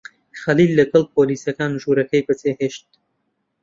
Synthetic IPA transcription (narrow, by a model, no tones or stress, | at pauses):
xɐliːlːɐɡɐlˠp̚ʰoːliːsɐkaːnʒuːɾɐkɐjbɐt͡seːheːʃt̪̚